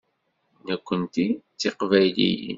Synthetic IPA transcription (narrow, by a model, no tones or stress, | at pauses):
nəkʷːənt̪it͡sːiqvæjlḭjḭ